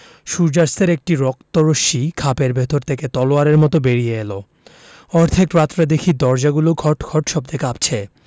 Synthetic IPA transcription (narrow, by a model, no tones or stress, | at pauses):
ʃuɾd͡ʑaɾst̪eɾek̚ʈiɾɔk̚t̪oɾoʃikʰapeɾbʱet̪oɾt̪ʰeket̪ɔloaɾeɾmɔt̪obeɾijeelo | ɔɾt̪ʰekɾat̪ːɾad̪ekʰid̪ɔɾd͡ʑaɡuloɡʱɔʈɡʰʱɔʈʃɔb̚d̪ekapt͡ɕʰe